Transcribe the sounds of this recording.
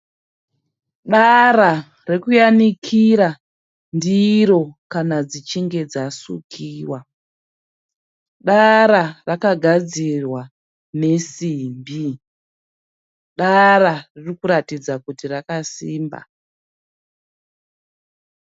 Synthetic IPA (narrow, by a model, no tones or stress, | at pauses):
ɗaɾa | rekujanikʰiɾa | ndiɾo̞kanad͡zit͡ʃiŋɡe̞d͡zasṵkʰiːwa | ɗaɾarakaɡʱad͡zirwa | ne̞simbi | ɗaɾaririkuɾatid͡zakutirakasiːmba̰